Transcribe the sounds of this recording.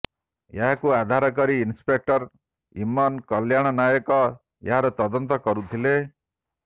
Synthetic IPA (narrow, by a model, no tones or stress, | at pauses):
jaɦakuad̪ʱaɾɔk̬ɔɾiːnspek̚ʈɔɾ | ḭmɔnkʌljaɽ̃ɔnajɔkɔ | ja̰ɦaɾɔt̪ɔd̪ɔnt̪ɔkɔɾut̪ʰile